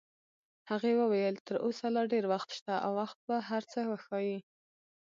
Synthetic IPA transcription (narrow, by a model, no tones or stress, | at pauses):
haɣewəwajəlt̪əɾʔosalɑɖeɾwaxt̪ʃt̪aʔawːaxt̪̚baɦaɾt͡səwəxɑji